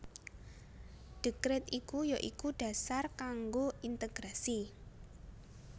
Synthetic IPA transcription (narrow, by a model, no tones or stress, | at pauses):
ɖ̥ə̤kɾɛt̪ikujɔʔikuɖ̥a̤sarkaŋɡoint̪eɡ̥ɾasi